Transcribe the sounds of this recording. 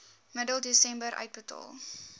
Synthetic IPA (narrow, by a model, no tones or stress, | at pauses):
mədəlˠdisɛmbəɾʔœ̰ɥt̚bətɔ̰lˠ